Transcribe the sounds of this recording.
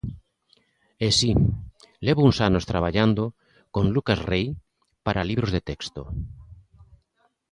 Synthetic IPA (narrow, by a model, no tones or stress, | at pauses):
esi | leβouŋsanost̪ɾaβ̞aʎand̪o | konlukasrej | paɾaliβ̞ɾozðet̪ekst̪o